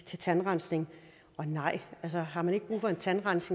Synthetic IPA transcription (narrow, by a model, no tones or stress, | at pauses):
t͡sʰe̝t͡sʰænʁɑnsne̝ŋ | ɒ̽nɑ̈ɪ̰ælsəɦɑ̈mæneɡ̥əb̥ʁṵːfɒ̽e̝nt͡sʰænʁɑn̰se̝